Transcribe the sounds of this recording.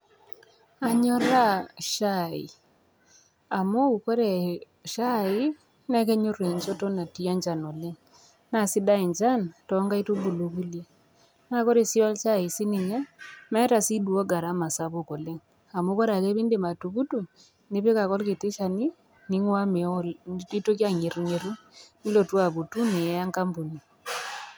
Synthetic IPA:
a˨ɲɔ˦la˦˨ʃa˦˨ḭ˨ | a˨mo˦˨ko˦ɾɛ˨ | ʃa˦i˦ | nɛ˦k̬ɛ˦ɲo˦ɾwe˨ɲd͡ʒɔ˦tɔ˦na˨ti˦a˦ɲd͡ʒa˨nɔ˨le˦ŋ | na˨si˦da˦i˨ɲd͡ʒa˦ntɔ˦ŋɡa˦i˦tu˦bu˨lo˨ku˦lje˦ | na˦ko˦ɾe˨si˦ɔ˦lʃa˦i˨si˦ni˨ɲa˦mɛ˦ta˨si˦dwɔ˦ɡa˨ɾa˦ma˨sa˦βo˨kɔ˨le˦ŋ | a˨mo˦kɔ˦ɾa˨kɛ˦βi˦nde˨ma˨tu˨ku˦tu˦˨ | ne˦βe˦ka˨kɔ˦lke˨te˦ʃa˨ni˦ | ni˦ŋwa˦me˨ɔ˦i˦to˦kja˦ɲe˨ɾu˨ɲe˨ɾu˦ | ni˦lɔ˨twa˨βu˨tu˦ne˨˦a˦ŋka˦mbu˨ni˨

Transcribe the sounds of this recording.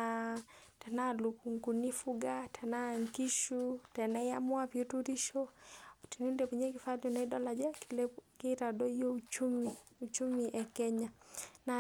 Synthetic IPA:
atɛ˨na˦luku˨ŋku˨ni˦fu˦ɡatʰɛ˨na˦ŋki˦ʃutɛ˨nɛ˦ja̰˦mʊ˦a˦pio˦tuɾi˦ʃɔti˨ni˦ndɛpi˨ɲɛ˦ki˨fa˦dɔna˨i˦dɔ˦la˨d͡ʒa˦kiɾadɔ˦jo˦ut͡ʃumiut͡ʃu˦miʔɛ˨kɛ˦ɲana

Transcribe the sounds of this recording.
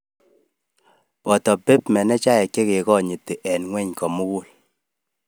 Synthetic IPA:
pɔ˨tɔ˨pe˦pmɛ˨nɛ˦t͡ʃa˦ɛ˨kːe˦ke˨kɔ˦˨ɲi˨te˨ʔɛ˨nŋwɛ˦ɲkɔ˨mu˦ku˦l

